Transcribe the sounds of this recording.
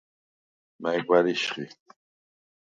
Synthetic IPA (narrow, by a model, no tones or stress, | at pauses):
majɡwaɾiʃχḭ